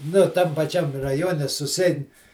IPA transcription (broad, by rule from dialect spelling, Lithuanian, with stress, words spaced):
ˈnʊ ˈtɐm pɐˈt͡ʃʲɛm rɐˈjoːnʲɛ sʊsʲɪˈɛɪn